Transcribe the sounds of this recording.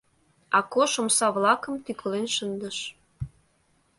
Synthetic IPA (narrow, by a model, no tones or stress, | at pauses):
ɑkoʃomsɑβlɑkə̆mt̪ykʰə̆lenʃənd̪ə̆ʃ